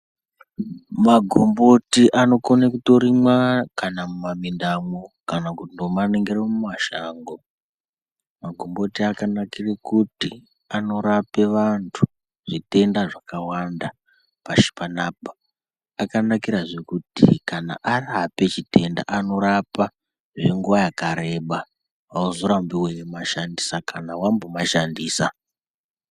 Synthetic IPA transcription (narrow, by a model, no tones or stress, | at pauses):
maɡʱo̞mbo̞tiʔano̞konekuto̞ɾimwakanamumamindamokanakutindomaneŋɡeɾemumaʃaːŋɡo | maɡʱo̞mbo̞tiakanakirekuti | ano̞ɾape̞ʋantʰu̥ | ʐ̥ite̞ndaʐakawanda | paʃi̥panaːpḁː | kanakiɾaʐe̞kutḭkana̰ʔarape̞t͡ʃite̞nda̰ʔano̞ɾapa | ʐe̞ŋɡuʋajakaɾe̞ɓa | auzoɾambiwemaʃandisakanawambomaʃandiːsa